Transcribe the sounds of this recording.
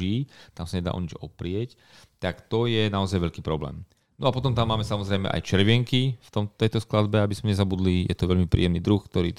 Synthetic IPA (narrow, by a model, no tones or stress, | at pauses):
iːt̪amsaɲɛd̪a̰ːɔ̰ɲid͡ʒɔpɾɪɛc | t̪akt̪ɔjɛnaɔzajʋɛʎkiːpɾɔblɛ̰ːm | nɔapɔt̪ɔmt̪amːaːmɛsamɔzɾɛjmɛ̰ʔa̰jt͡ʃɛɾʋɪɛŋkift̪ɔmt̪ɛjt̪ɔsklad̪bɛabizmɛɲɛzabud̪lijɛt̪ɔʋɛʎmipɾḭːɛmniːd̪ɾuxkt̪ɔɾḭː